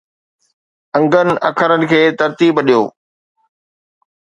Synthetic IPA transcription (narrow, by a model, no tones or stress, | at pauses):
ɐ̃ŋɡənɪ̆ʔɐ̰kʰəɾənɪ̆kʰeːt̪ɐɾt̪iːbɗijo̰ː